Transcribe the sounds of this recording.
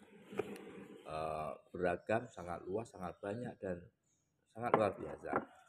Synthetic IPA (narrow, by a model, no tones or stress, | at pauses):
ʔəb̥əɾaɡ̥amsaŋa̰t̪̚luasːaŋat̪̚b̥aɲak̚d̥an | saŋat̪luarbia̰sa̰